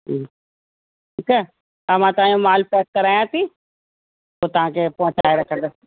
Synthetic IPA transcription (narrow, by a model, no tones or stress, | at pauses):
ikə | ɐʋ̤ãt̪ɐãjõmaːlpɛːs̚kəɾaːjãːt̪ʰiː | oːt̪ɐʋ̤ãːkʰepɐ̃ɦʊ̃t͡ʃa̰ːeɾɐkʰə̃nd̪ə